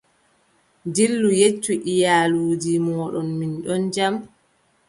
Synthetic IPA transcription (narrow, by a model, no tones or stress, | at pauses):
ndilːujet͡ʃːuʔijaːluːd͡ʒimɔːɗɔnminɗɔnd͡ʒam